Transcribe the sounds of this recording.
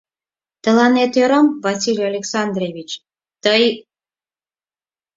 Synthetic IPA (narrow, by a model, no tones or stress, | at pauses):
t̪ə̆lɑnet̪øɾɑmvɑsʲilʲɑlʲeksɑnd̪ɾevʲit͡ɕ | t̪əj